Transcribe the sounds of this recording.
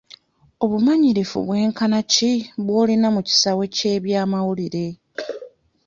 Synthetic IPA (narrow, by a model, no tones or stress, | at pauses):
o̞βumaɲiɾifṵβwe̞ːŋkanaciβwo̞ːlinamuci̥sawe̞ce̞ːβjaːmawuliɾe̞